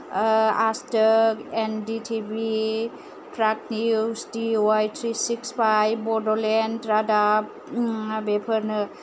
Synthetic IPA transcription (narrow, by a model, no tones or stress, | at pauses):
astəkenditʰibi | pɾak̚nisdioajtʰɾisikspʰajbɔdɔlenɾadab | bepʰəɾnɯ